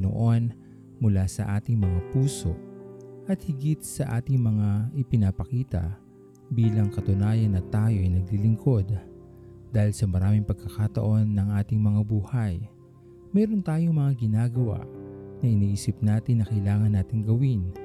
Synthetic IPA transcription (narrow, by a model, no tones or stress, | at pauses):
no̰ʔo̞n | mʊlasɐ̰ʔaːt̪ɪŋmɐŋapuːso̞ʔɐt̪̚hɪɡit̪̚sɐʔaːt̪ɪŋmɐŋaʔɪpɪnɐpɐkiːt̪ɐ̰ | biːlɐŋkɐt̪ʊnaːjɐnːɐt̪aːjo̞ʔɐjnɐɡ̚lilɪŋkʰo̞d̪̚ | d̪aːhɪlsɐmɐɾaːmɪŋpɐɡ̚kɐkat̪ɐ̰ʔo̞nːɐŋʔaːt̪ɪŋmɐŋabuːhɐj | mɛːɾont̪aːjo̞ŋmɐŋaɡɪnaːɡɐwa̰nɐʔɪniːʔiːsɪp̚naːt̪ɪnːɐkɐjlaːŋɐnːaːt̪ɪŋɡɐwin